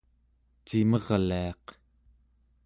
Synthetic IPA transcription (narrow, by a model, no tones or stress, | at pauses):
t͡ʃimʌʁliɑq